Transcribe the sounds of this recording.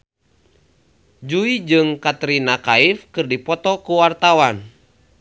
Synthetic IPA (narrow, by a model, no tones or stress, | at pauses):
d͡ʒuid͡ʒɨŋkat̪ɾinakaifkɨrdipɔt̪ɔkuwart̪awan